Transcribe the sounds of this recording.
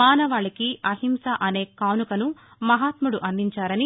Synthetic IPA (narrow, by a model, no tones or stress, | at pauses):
aːnɐʋaːɭikiɐɦimsɐʔɐne̞ːkaːnukɐnu | mɐɦaːt̪muɽuʔɐnd̪ʱiɲt͡ʃaːɾɐni